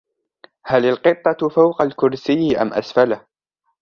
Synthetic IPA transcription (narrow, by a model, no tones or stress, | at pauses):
halalqɨt̪ˤːɑfawqɑlkʊɾsɪjːɪʔa̰mʔa̰sfalah